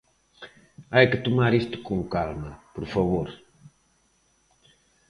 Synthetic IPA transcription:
ajkɨt̪umaɾist̪u̥kuŋkalmɐpuɾfɐβoɾ

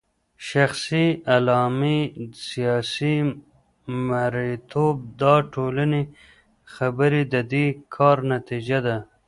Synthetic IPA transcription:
ʃaxsialɑmisijɑsi | maɾit̪ʰob̚d̪ɑʈʰolane | xabəɾid̪əd̪ikʰɑɾnat̪id͡ʒad̪a

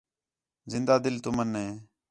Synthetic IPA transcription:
zɪnd̪aːd̪ɪlt̪ʊmənɦeː

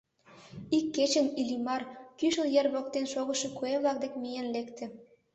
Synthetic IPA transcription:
ikːet͡ɕə̆nilimɑrkyʃəljerβok̚t̪enʃoɣəʃekueβlɑk̚d̪ekmijenlekt̪ĕ

